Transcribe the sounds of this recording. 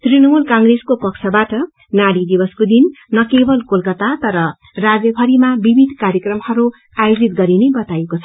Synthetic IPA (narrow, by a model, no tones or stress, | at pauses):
t̪rinʌmulkaŋɡreskopʌkt͡sʰʌbaʈʌ | naɽid̪ibʌskod̪inːʌkebʌlkolkʌt̪at̪ʌɾʌ | rad͡zjʌbʱʌɾimabibʱid̪ʱkaɾjʌkrʌmhʌɾu | ajod͡zit̪ɡʌɾinebʌt̪ajekot͡sʰʌ